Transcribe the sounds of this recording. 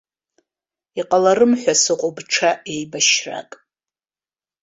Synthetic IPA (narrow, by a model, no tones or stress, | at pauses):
iqʼalaɾɨmħʷᶣasɨqʷʼobʈ͡ʂʰaʔejbaʃra̰kʼ